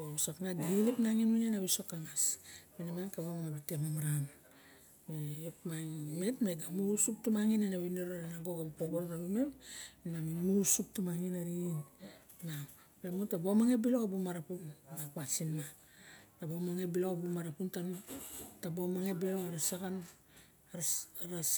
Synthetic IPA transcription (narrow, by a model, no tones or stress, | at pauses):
osaknadiilipnaŋinwinenaβisokaŋasminamankaβammabitemamaɾam | eopmaŋme̞tmeɡamuusup̚tumaŋinenaβineɾoɾanaɡoɡabupoboɾɾaβumeminmamimuɾusup̚tumaŋinaɾinː | a | pemutabomaŋe̞bilo̞abumaɾapunnakwasinma | tabomaŋebilobumaɾapuntanatabomaŋe̞biloaɾasakan | ɾɾas